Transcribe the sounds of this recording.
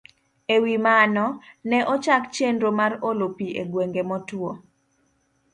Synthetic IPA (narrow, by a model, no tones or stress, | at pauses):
ewimanɔnɛʔɔt͡ʃakt͡ʃendɾomarolopiʔḛɡweŋɡemɔtwo